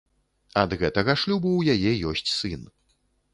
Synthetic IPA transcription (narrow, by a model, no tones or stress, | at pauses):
ɐd̪ɣɛt̪ɐɣɐʂlʲubɐwjajɛjɔsʲt͡sʲsɨn